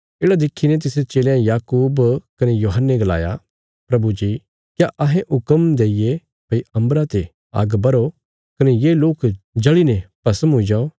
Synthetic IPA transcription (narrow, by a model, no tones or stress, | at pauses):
eːɽad̪ɪkʰːinet̪̬ɪst͡ʃeːlejãjaːkuːbkɐnejoːɦənːeɡɐla̰ːja̰ | pɾɐbud͡ʒiː | kjaʔɐɦẽʔʊkəmd̪eːɪje | pɐiɐ̃mbɾat̪e | a̰ːɡbɐɾo | kɐnejeːloːkd͡ʒɐɭinɛpɐsəmɦʊid͡ʒaːo